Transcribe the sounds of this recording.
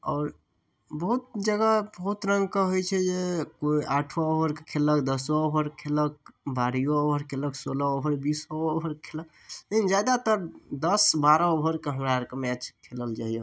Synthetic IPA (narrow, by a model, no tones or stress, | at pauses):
ɔːɾ | bəɦut̪̚d͡ʒəɡabəɦut̪ɾəŋɡ̚kəɦojt͡ʃʰɛd͡ʒekoiʔaʈʰʋɔobəɾkekʰeləkd̪əsɔobəɾkʰelək̚baɾijoobʱəɾkʰeləksoləobʱəɾbisɔoɦəɾkʰelək̚ | lekind͡ʒjad̪at̪əɾd̪əsbaɾəobʱəɾkeɦəmɾaɾkemɛt͡ʃkʰeləld͡ʒaɦijo